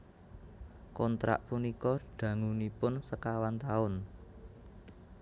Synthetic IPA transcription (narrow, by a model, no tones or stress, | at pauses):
kɔnt̪ɾa̰ʔpunikɔɖ̥ä̤ŋunipʊnsəkawant̪aʊn